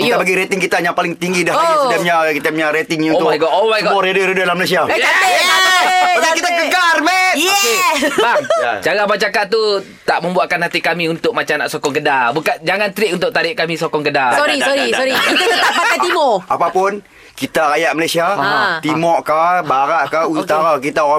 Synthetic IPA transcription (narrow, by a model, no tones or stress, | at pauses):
kitabaɡiɾet̪ɪŋkit̪ajaŋpalɪŋt̪iŋɡidahkit̪apəɲakit̪apɲaɾet̪ɪŋuʊaɡɔʔomaɡɔɾedəɾedəalahməlas̬iaat̪əaaakit̪aəɡarmɛnjɛbaŋt͡ʃaɾamat͡ʃakaʔt̪ːu | t̪aʔməmbuaʔkanhat̪ikamiunt̪ʊk̚mat͡ʃanaʔsokɔŋɡədabukand͡ʒaŋant̪ɾɪʔunt̪ʊk̚t̪aɾɪʔkamisokɔŋɡədasɔɾsoɾiɾikit̪aət̪aaat̪imoapapʊn | kit̪aɾajaʔməlasiat̪imɔʔkabaɾaʔkaut̪aɾakit̪aoɣa